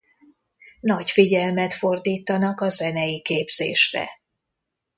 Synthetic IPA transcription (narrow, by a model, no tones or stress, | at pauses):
nɒɟfiɟɛlmɛt̪fo̞rd̪iːt̪ɒnɒkɒzɛnɛjikeːbz̥ḛːʃrɛ̰